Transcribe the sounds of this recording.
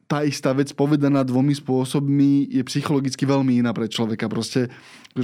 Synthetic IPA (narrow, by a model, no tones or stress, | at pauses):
t̪aːist̪aːʋɛt͡spɔʋɛd̪anaːd̪ʋɔmispʊɔsɔbmijɛpsixɔlɔɡit͡skiʋɛlmiinaːpɾɛt͡ʃlɔʋɛkapɾɔscɛ | k